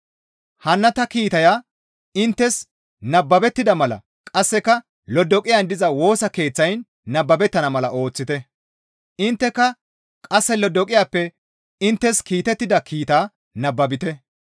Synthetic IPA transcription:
hɐnːɐt̪ɐkiːt̪ɐja | ɪnt̪ːɛs | nɐbːɐbɛt̪ːɪd̪ɐmɐlɐ̰ | kʼɐsːɛkɐ | lɔd̪ɔkʼɪjɐnd̪ɪzɐwo̞ːsɐke̞ːt͡sːɐjnː | ɐbːɐbɛt̪ːɐnɐmɐlɐʔo̞ːt͡sːɪt̪ɛ | ʔɪnt̪ːɛkːɐ | kʼɐsːɛlɔd̪ɔkʼɪjaːpːɛ | ɪnt̪ːɛskiːt̪ɛt̪ːɪd̪ɐkʰiːt̪aː | nɐbːɐbɪt̪ɛ

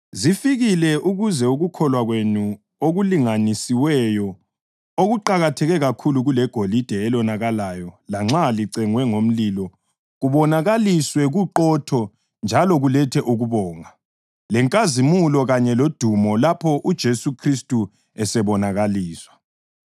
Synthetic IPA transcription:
zifiɣilɛʔuɣuzɛuɣukʰɔlwaɣwenu | oɣuliŋanisiwɛjɔ | oɣuǃaɣatʰɛɣɛɣakʰuluɣulɛɡ̥ʱolid̥ʱɛːlɔnaɣalaːjɔlaŋ͡ǁaliǀɛŋwɛŋom̩lilɔ | ɣuβɔnaɣaliswɛɣuǃɔtʰɔ | nd͡ʒʱalɔɣulɛtʰɛʔuɣuβɔːŋa | lɛŋkʼazimulɔɣaɲɛlod̥ʱumɔlapʰɔʔud̥ʒ̥ʱesukʰristʼu | ɛsɛβɔnaɣaliːswḁ

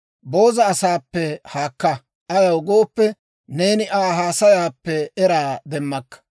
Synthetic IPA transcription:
bo̞ːzɐːsaːpːɛhaːkːɐ | ʔɐjɐwɡo̞ːpːɛ | neːnɪʔaːɦaːsɐjaːpːɛɛɾaːd̪ɛmːɐkːɐ̥

